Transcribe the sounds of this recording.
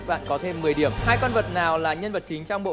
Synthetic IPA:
ɓa̰ː˧˨nkɔ˨˦t̪ʰe˧mːɨ˨˩əjɗi˧˩əmhaː˧jkə˧nvə˨˩t̚naː˨˩wlaː˨˩ɲə˧nvə˨˩t̚t͡ɕï˨˦ŋ̟t͡ɕɔ˧wŋ͡mɓo̰˧˨

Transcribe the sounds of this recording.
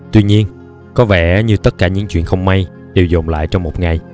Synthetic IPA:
t̪wi˧ɲi˧ən | kɔ˨˦vɛ̰˧˩ɲɨ˧t̪ə˦˥t̚kaː˧˩ɲɨ̰˧˥ŋt͡ɕwḭ˧˨ənxə˧wŋ͡mma˧j | ɗe˨˩wzo˨˩mla̰ː˧˨jt͡ɕɔ˧wŋ͡mmo˨˩t̚ŋa˨˩j

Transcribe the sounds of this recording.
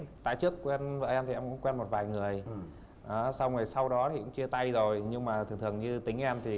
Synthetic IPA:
t̪a̰ː˧˨jt͡ɕɨ˦˥əkːwɛ˧nvəː˧˩ʔɛ˧mt̪ʰi˨˩ɛ˧mkʊ̰˧˥ŋ͡mkwɛ˧nmo˨˩t̚vaː˨˩jŋɨ˨˩əj | ʔaː˨˦sa˧wŋɨ˨˩əjsa˧wɗɔ˨˦t̪ʰi˨˩kʊ̰˧˥ŋ͡mt͡ɕɨ˧ət̪a˧jzo˨˩jɲɨ˧ŋmaː˨˩t̪ʰɨ˨˩ŋt̪ɨ˨˩ə˩ŋɲɨ˧t̪ï˨˦ŋ̟ʔɛ˧mt̪ʰi˨˩

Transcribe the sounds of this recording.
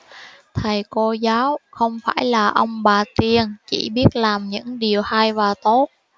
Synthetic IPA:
t̪ʰə˨˩jko˧zaː˨˦wxə˧wŋ͡mfaː˧˩jlaː˨˩ʔə˧wŋ͡mɓaː˨˩t̪i˧ənt͡ɕḭ˧˩ɓi˦˥ət̚laː˨˩mɲɨ̰˧˥ŋɗi˨˩əwha˧jvaː˨˩t̪o˦˥t̚

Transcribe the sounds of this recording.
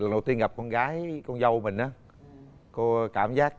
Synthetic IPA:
ə˨˩nɗo˨˩wt̪i˧ənɣa˨˩p̚kɔ˧nɣaː˨˦jkɔ˧nzə˧wmï˨˩ŋ̟ʔaː˨˦ | ko˧kaː˧˩mzaː˦˥k̚

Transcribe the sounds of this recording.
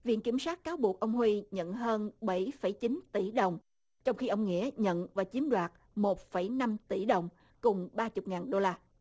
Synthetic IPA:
vḭ˧˨ənki˧˩əmswaː˦˥t̚kaː˨˦wɓu˨˩ək̚ʔə˧wŋ͡mhwi˧ɲə̰˧˨nɦəː˧nɓə˧˩jfə˧˩jt͡ɕi˨˦nt̪i˧˩ɗə˨˩wŋ͡m | t͡ɕɔ˧wŋ͡mxi˧ʔə˧wŋ͡mŋḭ˧˥əɲə̰˧˨nvaː˨˩t͡ɕi˨˦əmɗwaː˨˩t̚ | mo˨˩t̚fə˧˩jna˧mt̪i˧˩˦ɗə˨˩wŋ͡m | kʊ˨˩ŋ͡mɓaː˧t͡ɕʊ˨˩k͡p̚ŋaː˨˩nɗo˧laː˧

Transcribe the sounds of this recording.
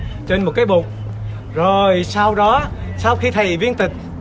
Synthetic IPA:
t͡ɕe˧nmo˨˩kaː˨˦jɓu˨˩t̚ | zo˨˩jsa˧wɗɔ˨˦saː˧wxi˧t̪ʰə˨˩jvi˧ənt̪ï˨˩k̟̚

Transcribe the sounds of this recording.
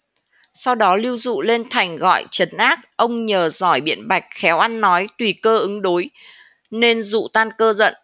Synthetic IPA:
sa˧wɗɔ˨˦li˧əwzṵ˧˨le˧nt̪ʰa˨˩jŋ̟ɣɔ̰˧˨jt͡ɕə˨˦nʔaː˦˥k̚ʔə˧wŋ͡mɲəː˨˩zɔ˧˩jɓḭ˧˨ənɓa˨˩jk̟̚xɛ˨˦wʔa˧nːɔ˨˦jt̪wi˨˩kəː˧ʔɨ˨˦ŋɗo˨˦j | ne˧nzṵ˧˨t̪aː˧nkəː˧zə̰˧˨n

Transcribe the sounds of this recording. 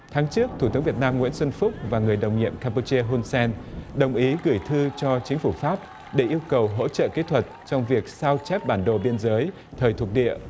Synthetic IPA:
t̪ʰaː˨˦ŋt͡ɕɨ˦˥ək̚t̪ʰu˧˩t̪ɨ˨˦ŋvi˨˩t̚naː˧mŋw̰ənswə˧nfʊ˦˥k͡p̚vaː˨˩ŋɨ˨˩əjɗə˨˩wŋ͡mɲḭ˧˨əmkaː˧mpu˧t͡ɕi˧əɦu˧nsɛ˧nɗə˨˩wŋ͡mʔi˨˦ɣɨ˧˩jt̪ʰɨ˧t͡ɕɔ˧t͡ɕï˨˦ŋ̟fu˧˩faː˦˥p̚ | ɗe˧˩ʔi˧əwkə˨˩wɦo̰˧˥t͡ɕə̰ː˧˨ki˦˥t̪ʰwə˨˩t̚t͡ɕɔ˧wŋ͡mvi˨˩ək̚saː˧wt͡ɕɛ˦˥p̚ɓaː˧˩nɗo˨˩ɓi˧ənzəː˨˦j | t̪ʰəː˨˩jt̪ʰu˨˩ək̚ɗḭ˧˨əʔ

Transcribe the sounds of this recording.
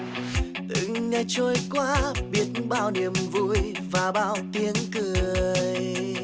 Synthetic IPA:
t̪ɨ̰˧˨ŋɲə˧˩t͡ɕo˧jkwaː˧˦ɓi˦˥ət̚nɓaː˧wni˨˩əmvṵ˧˥j | vaː˨˩ɓaː˧wt̪i˧˦ənkɨ˨˩əəəj

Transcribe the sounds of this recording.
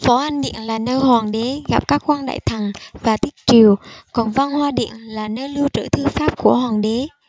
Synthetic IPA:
fɔ˨˦ʔa˧nɗḭ˧˨ənlaː˨˩nəː˧jɦwaː˨˩ŋɗe˨˦ɣa˨˦˥p̚kaː˦˥k̚kwa˧nɗa̰ː˧˨jt̪ʰə˨˩ŋvaː˨˩t̪ï˦˥k̚t͡ɕi˨˩əwkɔ˨˩nva˧nhwaː˧ɗḭ˧˨ənlaː˨˩nəː˧jlɨ˧wt͡ɕə̰ː˧˩t̪ʰɨ˧faː˦˥p̚ku˧˩əɦwaː˨˩ŋɗe˨˦

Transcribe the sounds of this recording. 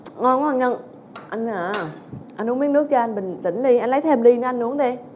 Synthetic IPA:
ŋɔ˧nɔ˨˧˩ŋɲə˧n | ʔa˧ŋaː˨˩ | ʔa˧nʔu˧˦mi˨˦˥ənɨ˦˥ək̚t͡ɕɔ˧ʔa˧jnɓï˨˩ŋ̟t̪ḭ˧˩ŋ̟li˧ʔa˧jŋlə˨˦jt̪ʰɛ˧mli˧nə˨˦ʔa˧nʔu˨˦əŋɗe˧

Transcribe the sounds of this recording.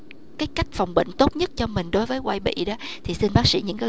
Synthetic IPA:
kaː˨˦jka˦˥jk̟̚fa˨˩wŋ͡mɓḭ˧˨ŋ̟t̪o˦˥t̚ɲə˦˥t̚t͡ɕɔ˧mï˨˩ŋ̟ɗo˨˦jvəː˨˦jkwaː˧jɓḭ˧˨ɗɔ˨˦t̪ʰi˨˩si˧nɓaː˦˥k̚sḭ˧˥ɲɨ̰˧˥ŋkaː˨˦

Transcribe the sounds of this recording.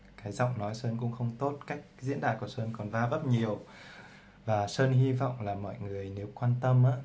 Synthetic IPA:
kaː˨˦jzɔ̰˧˨wŋ͡mnɔ˨˦jsəː˧nkʊ̰˧˥ŋ͡mxə˧wŋ͡mt̪o˦˥t̚kaː˦˥jk̚zḭ˧˥nɗaː˨˩ku˧˩səː˧nkɔ˨˩nvaː˧və˦˥p̚ɲi˨˩əw | vaː˨˩səː˧nɦi˧vɔ̰˧˨wŋ͡mlaː˨˩mɔ̰˧˨jŋɨ˨˩əjne˨˦wkwaː˧nt̪ə˧mʔaː˧˥

